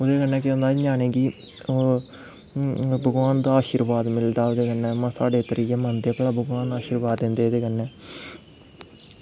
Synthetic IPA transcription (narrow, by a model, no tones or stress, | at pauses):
od̪eːkənːɛ̃ːkɪõnd̪aːɲãːneːɡiː | bʱəɡʋaːnd̪aaːʃiːɾʋaːd̪mɪld̪aːod̪eːkənːɛ̃ːmãːsaːɖeːt̪əɾiːkeːmənd̪eːpəlaːbʱəɡʋaːnaːʃiːɾʋaːd̪ːɪ̃nd̪eːd̪eːkənːɛ̃ː